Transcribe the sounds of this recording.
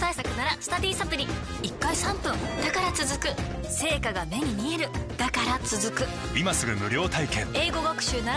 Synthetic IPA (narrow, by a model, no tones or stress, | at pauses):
t̪aisakɯ̟naɾasɨ̥t̪adʲiːsapɯ̟ɾʲi | ikːaisãmpɯ̟̃ŋd̪akaɾat͡sɨzɨkɯ̟ | se̞ːkaɡame̞ɲ̟imʲie̞ɾɯ̟d̪̥akaɾat͡sɨzɨkɯ̟ | imasɨɡɯ̟mɯ̟ɾʲo̞ːt̪aikẽ̞ŋe̞ːɡo̞ɡakɯ̟̥ɕɨːnaɾ